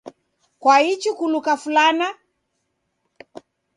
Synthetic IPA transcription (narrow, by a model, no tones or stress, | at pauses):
kwait͡ʃikulukafulana